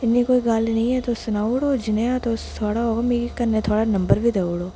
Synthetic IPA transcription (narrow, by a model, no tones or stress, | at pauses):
ɪnːikoːiɡaːlnɐɦĩɦɛt̪osʊnaːuɽoːd͡ʒɪnejat̪ot̪ʰoːɽaomikkɐɾnet̪ʰoːɽanɐ̃mbəɾbʱid̪euɽoː